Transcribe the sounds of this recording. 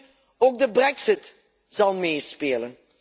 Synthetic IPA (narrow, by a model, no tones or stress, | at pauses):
oːɡ̚dəbrɛksɪt | z̥ɑlˠmeːspeːlən